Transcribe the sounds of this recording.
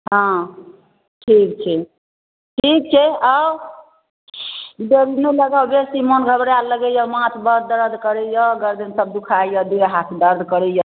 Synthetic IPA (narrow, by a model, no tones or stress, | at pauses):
ɦɔ̃ | ʈʰik̚t͡ʃʰɛ | ʈʰik̚t͡ʃʰɛaw | d̪eɾineləɡawbesimonɡʱəbɾaləɡɛjɔmãt̪ʰbəd̪əɾəd̪ʱkəɾɛjɔɡəɾd̪ənsəb̚d̪ukʰajɔd̪eɾɦat̪ʰd̪əɾd̪ʱkəɾɛjɔ